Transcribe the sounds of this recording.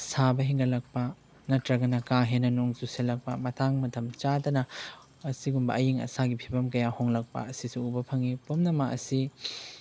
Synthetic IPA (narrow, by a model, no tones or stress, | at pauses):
sabɐɦiŋɡɐlɐk̚pɐ | nɐtɾɐɡɐnɐkaɦenɐnuŋzuselɐk̚pɐmɐtʰaŋmɐtʰɐmt͡ʃadɐnɐː | siɡumbɐ̰ʔɐjiŋɐ̰saɡipʰibɐmkɐjahoŋlɐk̚pɐ̰ɐsisuubɐpʰɐŋipomnɐmaɐ̰si